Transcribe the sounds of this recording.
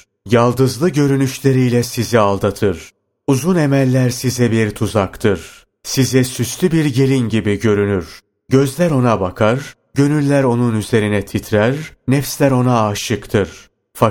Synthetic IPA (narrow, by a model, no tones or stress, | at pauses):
jalˠd̪ɯzlˠɯɟø̞ɾynyʃlʲe̞ɾijlʲɛsizialˠd̪at̪ʰɯɾ̥ | uzune̞mælʲːæɾsizɛbiɾt̪ʰuzakt̪ʰɯɾ̥ | sizɛsyslʲybiɾɟe̞lʲinɟibiɟø̞ɾynyɾ̥ | ɟø̞zlʲæɾo̞nabakʰaɾ | ɟø̞nylʲːæɾo̞nunyze̞ɾinɛt̪ʰit̪ʰɾæɾnɛfslʲæɾo̞naːʃɯkt̪ʰɯɾ̥ | fa